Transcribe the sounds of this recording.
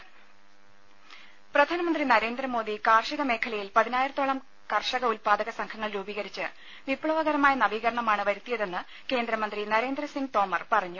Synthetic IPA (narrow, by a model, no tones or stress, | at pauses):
prɐd̪ʱaːnɐmɐnd̪rinɐɾe̞ːnd̪rɐmo̞ːd̪ikaːrʂiɣɐme̞ːkʰɐlɐjilpɐðinaːjiɾɐt̪ːoːɭɐm | kɐrʂɐɣɐulpaːd̪ɐɣɐsɐŋkʰɐŋːɐɭɾuːbiːɣɐɾit͡ɕːɨ | ʋipɭɐʋɐɣɐɾɐmaːjɐnɐʋiːɣɐɾɐɳɐmaːɳɨʋɐɾut̪ːijɐðe̞nːɨ | ke̞ːnd̪ɾɐmɐnd̪rinɐɾe̞ːnd̪rɐsiŋɡt̪o̞ːmɐrpɐrɐɲːu